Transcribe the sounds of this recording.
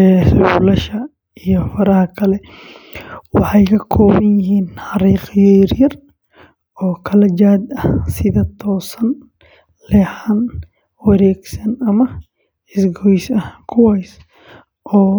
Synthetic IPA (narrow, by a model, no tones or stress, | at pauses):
ɛːswulɐʃɐ | ijɔfɐɾɐhɐkʰɐlɛ | wɑ̰ħɑjkʰɐkʰɔːβɐnjɪɦiːnħɑɾiːqjɛjɾjɐr | ɔːkʰɐlɐd͡ʒaːd̪ɐhsɪðɐt̪ʰɔːsɐn | lɛħan | wɐɾɛːɡsɐnɐmɐ | ɪsɡɔjsɐhkʰʊwajs | ʔɔː